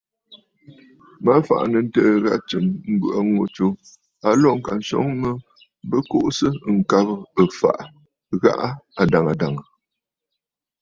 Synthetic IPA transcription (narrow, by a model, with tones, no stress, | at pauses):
ma˦fa̰˨ʔnə˨n̩˦təː˦ɣa̰˦ʔt͡ʃɨ˨mm̩˦bɯ˨a˨ŋo˨t͡ʃo˨ | a˨lɔ˦˨ŋ̩˨ka˨n̩˨sɔ̰˨˦ŋmə˦ | bə˦ko˦ʔsə˦˨ŋ̩˨ka˦bə˦ə˨fa̰˨ʔ | ɣa̰˦ʔa˦a˨da˨ŋa˨da˨ŋə˨